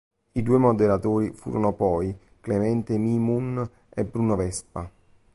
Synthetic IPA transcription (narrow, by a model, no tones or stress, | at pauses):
id̪uːemod̪eɾat̪oːɾifṵːɾʔonopɔj | klemɛnt̪emimun | ebːɾuːnovɛspa